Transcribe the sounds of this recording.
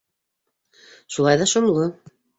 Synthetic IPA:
ʃulˠɑjðɑʃŏmlˠo

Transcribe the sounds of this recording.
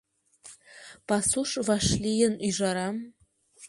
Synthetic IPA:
pasuʂvaʂlijənyʐaɾam

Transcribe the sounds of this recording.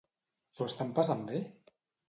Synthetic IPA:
soəst̪ampasambe

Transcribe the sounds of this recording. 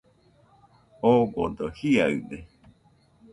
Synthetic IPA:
oɡo̰d̪ohiaɨde

